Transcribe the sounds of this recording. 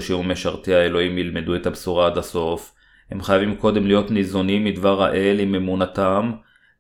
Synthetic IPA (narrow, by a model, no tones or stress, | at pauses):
ʃiumeʃaʁt̪iae̞lo̞imjilme̞due̞t̪habsuʁaad̪aso̞f | he̞̰mχajavimko̞d̪e̞mlijo̞tnizonimːid̪vaʁa̰ʔe̞lime̞munat̪am